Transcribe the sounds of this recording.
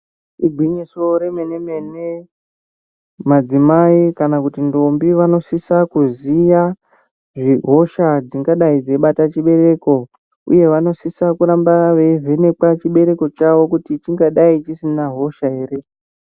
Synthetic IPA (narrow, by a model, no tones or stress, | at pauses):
iɡʱwiɲiso̞ɾeme̞nemene | mad͡zimaikanakutindo̞mbiʋano̞sisakuzija | ʐiɦo̞ʃad͡ziŋɡaɗaid͡zeiɓatat͡ʃiɓe̞ɾe̞ːko̞ | ṵje̞ʋano̞sisakuɾambaʋeive̞ne̞kwat͡ʃiɓe̞ɾe̞ko̞t͡ʃaʋo̞kutit͡ʃiŋɡaɗait͡ʃisinaɦo̞ʃae̞ːre̞